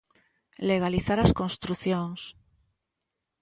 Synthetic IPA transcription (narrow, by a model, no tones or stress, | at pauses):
leɣ̞aliθaɾaskonst̪ɾuθjoŋs